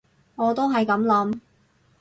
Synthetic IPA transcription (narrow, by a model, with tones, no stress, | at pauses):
ŋɔː˨˧t̪o˥wɦɐ˨jkɐ˨˧˥mlɐ˨˥m